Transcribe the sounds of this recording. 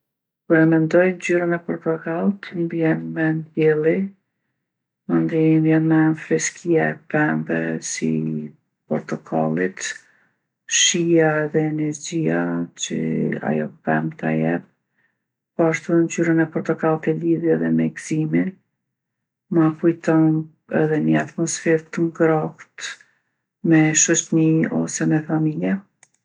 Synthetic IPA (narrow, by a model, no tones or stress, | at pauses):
kuɾɛmɛnd̪ɔjnd͡ʑyɾanɛpɔɾt̪ɔkalˠt̪mbjɛnmɛnd̪jɛlˠi | ɔnd̪imbjɛnmɛnfɾɛskʰiaɛpɛmvɛ̰sḭ | pɔɾt̪ɔkʰa̰lˠit̪ | ʃijaɛðɛːnɛɾd͡ʑiat͡ʃə̰a̰jɔpɛmt̪ajɛp̚ | paʃt̪und͡ʑyɾənɛpɔɾt̪ɔkalˠt̪ɛliðjɛðɛmɛɡz̥imin | makujt̪ɔn | ɛðɛnəat̪mɔsfɛɾt̪əŋɡɾaht̪ | mɛʃɔt͡ʃniɔ̰sɛmɛfamiljɛ